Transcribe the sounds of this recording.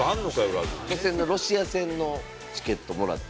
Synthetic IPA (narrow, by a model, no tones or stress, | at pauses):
ãnːokajoɾa̰ɾɯosẽ̞nːoɾo̞ɕiasẽ̞nːo̞ | t͡ɕi̥ke̞t̪ːo̞mo̞ɾa̰t̪ː